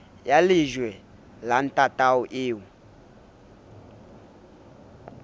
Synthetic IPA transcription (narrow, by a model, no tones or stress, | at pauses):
jaliʒwɛ | lan̩tʼatauʔiːwu